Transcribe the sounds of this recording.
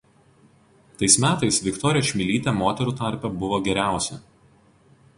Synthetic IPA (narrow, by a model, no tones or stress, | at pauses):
t̪ɐɪsmʲæːt̪ɐɪsʋʲɪkt̪ɔɾʲɪjɛʃʲmʲɪlʲiːt̪ʲɛmoːt̪ʲɛɾuːˑt̪ɑˑɾʲpʲɛbʊʋoːɡʲɛɾʲæˑʊsʲɛ